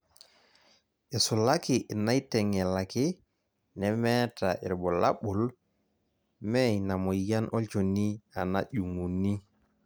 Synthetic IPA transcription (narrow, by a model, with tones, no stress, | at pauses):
ʔɛ˨su˨lakiʔɛ˨na˦jtɛ˨ŋɛ˨laki˦ | nɛmɛtaʔɛ̰˨ɾbɔ˨la̰ɓu˨l | mɛjna˨mɔ˨ja˦nʔɔ˦lt͡ʃo˨ni˦a˨naʄu˨ŋu˨nːi˦